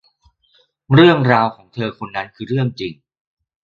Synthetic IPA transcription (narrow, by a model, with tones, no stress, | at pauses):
ɾɯ˥˩əŋɾaː˧wkʰɔː˩˦ŋt̪ʰɤː˧kʰo˧nːa˦˥nkʰɯː˧ɾɯ˥˩əŋt͡ɕi˧ŋ